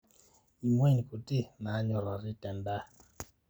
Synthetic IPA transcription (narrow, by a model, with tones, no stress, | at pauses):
i˨mwe˦˨ni˨ku˨ti˦ma˨˦ɲɔ˦ɾa˨ɾi˦tɛ˨mba˦